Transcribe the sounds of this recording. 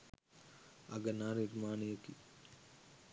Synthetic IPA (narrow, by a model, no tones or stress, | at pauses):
ɐɡənaːniɾmaːnijəki